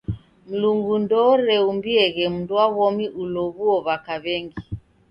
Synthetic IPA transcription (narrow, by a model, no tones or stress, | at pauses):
m̩luŋɡundɔɾɛumbiɛɣɛm̩nduaβɔmiʔulɔβuɔβakaβɛŋɡi